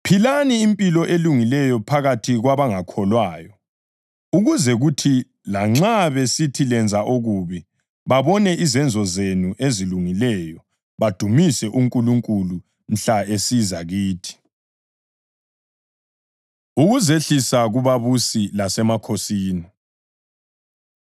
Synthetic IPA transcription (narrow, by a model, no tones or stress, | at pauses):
pʰilaniːmpʼilɔʔeluŋilɛjɔpʰaɣatʰiɣwaβaŋakʰɔlwaːjɔ | uɣuzɛɣutʰi | laŋ͡ǁaβesitʰilɛnd͡zʱaʔoɣuːβi | βaβɔnɛʔizɛnd͡zʱɔzenuʔeziluŋilɛjɔ | βad̥ʱumisɛʔuŋkʼuluŋkʼulu | m̩ɬaesizaɣiːtʰi̥ | uɣuzeɬisaɣuβaβusilasɛmakʰosiːni